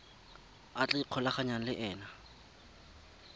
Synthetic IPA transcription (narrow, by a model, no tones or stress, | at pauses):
at͡ɬʼaiq͡χʰɔlaχaɲan̩lɪʔɛːna